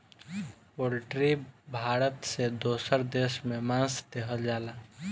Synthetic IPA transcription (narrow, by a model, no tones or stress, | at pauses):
poːlʈɾibʱaːɾət̪sed̪oːsəɾd̪eːʃmẽmãːsd̪eɦəld͡ʒaːlaː